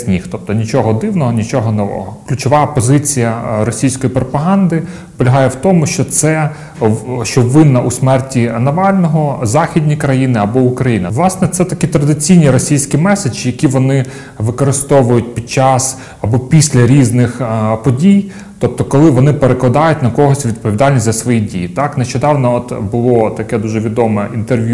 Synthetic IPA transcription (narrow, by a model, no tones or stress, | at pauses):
sʲnʲixt̪ɔp̚t̪ɔnʲit͡ʃɔɦɔd̪ɪwnɔɦɔnʲit͡ʃɔɦɔnɔʋɔ̰ɦɔklʲʊt͡ʃɔʋɑpɔzɪt͡sʲijɐɾɔsʲijsʲkɔjipɾɔpɐɦɑnd̪ɪ | pɔlʲɐɦɑjɛwt̪ɔmʊʃt͡ʃɔt̪sɛ | ʃt͡ʃɔʋɪnːɐʔusmɛrtʲinɐʋɑlʲnɔɦɔzɑxʲidʲnʲijkɾɐjinɪɐbɔʊkɾɐjinɐ̰ʋlˠɑsnɛt̪sɛt̪ɐkʲit̪ɾɐd̪ɪt͡sʲijnʲiɾɔsʲijsʲkʲimɛsed͡ʒijɐkʲiʋɔnɪ | ʋɪkɔɾɪst̪ɔʋʊjʊt̚ʲpʲid̪̚t͡ʃɑs | ɐbɔpʲisʲlʲɐɾʲiznɪxpɔdʲij | t̪ɔp̚t̪ɔkɔlˠɪʋɔnɪpeɾeklˠɐd̪ɑjʊtʲnɐkɔɦɔsʲʋʲid̪̚pɔʋʲid̪ɑlʲnʲisʲzɐsʋɔjidʲḭjit̪ɑkneʃt͡ʃɔd̪ɑwnɔɔt̪bʊlˠɔt̪ɐkɛd̪uʒɛʋʲid̪ɔmɛint̪erʋʲju